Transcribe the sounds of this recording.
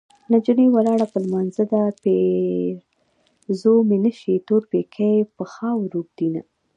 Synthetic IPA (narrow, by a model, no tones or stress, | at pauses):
nad͡ʒənewalɑɽapəlmɑnzad̪ape | zomenəʃet̪oɾpekʰajpəxɑwɾuɡ̚d̪̥ina